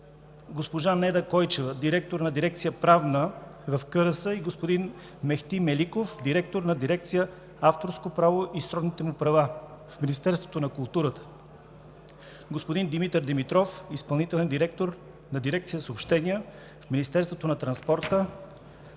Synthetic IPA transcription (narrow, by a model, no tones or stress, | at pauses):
ɡospoʒanɛd̪əkɔjt͡ʃɛvəd̪iɾɛk̚t̪oɾnɐd̪iɾɛkt̪sijəpɾavnəvɐfkɤɾəsəiɡospod̪in | mɛxt̪imɛlikofd̪iɾɛk̚t̪oɾnɐd̪iɾɛk̚t̪sijə | aft̪oɾskopɾavoʔisɾɔd̪nit̪ɛmupɾɐvafminist̪ɛɾst̪vot̪onɐkʊlˠt̪uɾət̪ə̥ | ɡospod̪ind̪imit̪əɾd̪ɛmit̪ɾɔfispɐlˠnit̪ɛlɛnd̪iɾɛk̚t̪oɾ | nɐd̪iɾɛkt̪sijəsoːpʃt̪ɛniə | fminist̪ɛɾst̪vot̪onɐt̪ɾɐnspɔɾt̪ə